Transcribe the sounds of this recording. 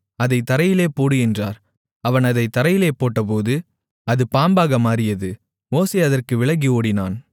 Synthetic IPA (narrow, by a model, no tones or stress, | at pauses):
ɐðɐɪt̪ɐɾɐjɪleːpoːɽɯjɪndraːɾ | ɐʋɐnɐðɐɪt̪ɐɾɐjɪleːpoːʈːɐpoːðɯ | ɐðɯpaːmbaːɣɐmaːɾɪjɐðɯ | moːseːɐðɐrkɯʋɪɭɐɡioːɽɪnaːn